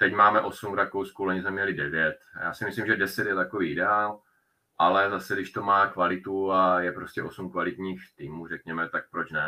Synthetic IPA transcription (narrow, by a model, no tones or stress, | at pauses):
t̪ɛcmaːmɛʔo̞sumvɾakowskuloɲizmɛmɲɛlɪdɛvjɛt̪ja̰ːsɪmɪslimʒɛdɛsɛt̪jɛt̪akoviːɪdɛaːl | ʔalɛzasɛdɪʃt̪o̞maːkvalɪt̪uajɛpɾoscɛʔo̞sumkvalɪt̪ɲiːxt̪iːmuːrɛkɲɛmɛt̪ak̚pɾot͡ʃnɛ